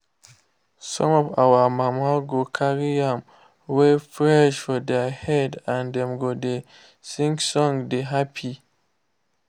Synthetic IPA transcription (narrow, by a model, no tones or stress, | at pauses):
sɔ̰̃mɔva̰wamãmaɡokʰaɹiãm | wɛfɹɛʃfɔdɛhɛdãndɛ̃mɡode | sĩŋksɔ̃ŋdeɦapʰi